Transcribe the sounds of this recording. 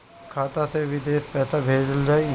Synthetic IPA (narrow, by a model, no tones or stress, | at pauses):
kʰaːt̪aseʋɪd̪eːspɛːsabʱeːd͡ʒəld͡ʒaːe